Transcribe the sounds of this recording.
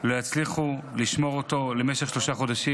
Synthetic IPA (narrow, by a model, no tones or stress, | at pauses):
lojat͡sliχuliʃmo̞ʁot̪o̞le̞me̞ʃeχʃlo̞ʃaχo̞d̪aʃi